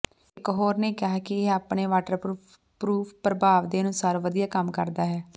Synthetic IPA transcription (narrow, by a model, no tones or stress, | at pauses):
ɪkɦoːɾneːkɪɦaːkɪaːpɳeːʋaːʈəɾpː | pɾuːpʰpɾəbaːʋd̪eːnũːsəɾʋəd̪ijaːkəmkəɾd̪aːɦɛː